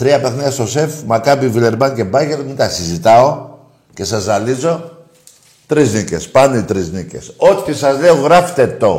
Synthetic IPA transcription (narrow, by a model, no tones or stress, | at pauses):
t̪ɾiɐpe̞xniɐst̪o̞sefmɐkɐpivile̞ɾbɐnce̞bɐʝeɾmint̪ɐsizit̪ɐo̞ | ce̞sɐzɐlizo̞ | t̪ɾiznice̞̰spɐnoit̪ɾiznice̞̰sot̪tisɐzleoɣɾɐft̪e̞t̪o̞